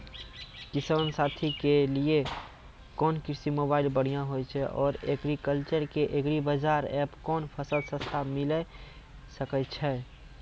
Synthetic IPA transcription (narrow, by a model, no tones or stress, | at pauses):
kisənsat̪ʰikelie | kɔːnkɪɾsimobaɪlbəɽ̤ijãɦojt͡ʃʰɛʔɔːɾeɡɾikəlt͡ʃəɾkeʔekɾibəd͡ʒaɾɛpkɔːnpʰəsəlsə̃st̪ʰamilɛ | səkɛt͡ʃʰɛ